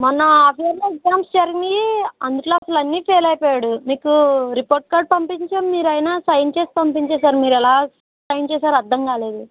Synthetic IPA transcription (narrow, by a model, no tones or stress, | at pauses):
mɐnɐɐpʰijɐɾloːekzaːmsd͡ʒɐɾinɡiɐnd̪ukʈloːɐsɐlɐnːiːpʰeːlɐjpɔːjaːɽumiːkuɾipoːɾʈ̚kaːɾʈ̚pɐmpiɲt͡ʃɐmːiːɾɐjnaːsɐjnt͡ʃeːsi̥pɐmpiɲt͡ʃɛːs̬aːɾmiːɾɛlaː | sɐjnt͡ʃɛːsaːɾɐd̪ʱːɐŋkaːle̞ːd̪u